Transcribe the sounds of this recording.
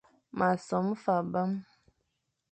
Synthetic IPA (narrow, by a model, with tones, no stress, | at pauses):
ma˨sɔ˨˦m˦fa˨ba˦m